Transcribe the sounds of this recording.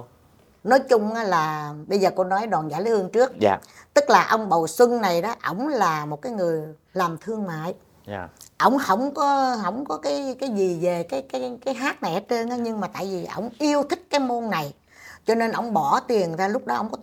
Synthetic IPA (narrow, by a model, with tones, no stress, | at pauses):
nɔ˨˦jt͡ɕʊ˧ŋ͡mʔaː˨˦laː˨˩ɓə˧jzəː˨˩ko˧nɔ˨˦jɗwaː˨˩nzaː˧˩˦li˨˦hɨ˧əŋt͡ɕɨ˦˥ək̚t̪ɨ˦˥k̚laː˨˩ʔə˧wŋ͡mɓə˨˩wswɨ˧ŋna˨˩jɗɔ˨˦ʔə̰˧˩wŋ͡mlaː˨˩mo˨˩t̚kaː˨˦jŋɨ˨˩əj | laː˨˩mt̪ʰɨ˧əŋma̰ː˧˨j | ʔə̰˧˩wŋ͡mhə˧˩wŋ͡mkɔ˨˦ɦə˧˩wŋ͡mkɔ˨˦kaː˨˦jkaː˨˦jzi˨˩ve˨˩kaː˨˦jkaː˨˦jkaː˨˦jɦaː˦˥t̚na˨˩jʔa˨˦t͡ɕe˧nʔaː˨˦ɲɨ˧ŋmaː˨˩t̪a̰ː˧˨jvi˨˩ʔə̰˧˩wŋ͡mʔi˧əwt̪ʰï˦˥k̟̚kaː˨˦jmo˧nːa˨˩j | t͡ɕɔ˧ne˧nʔə˧˩wŋ͡mɓɔ˧˩t̪i˨˩ənzaː˧lʊ˦˥k͡p̚ɗɔ˨˦ʔə˧wŋ͡mkɔ˨˦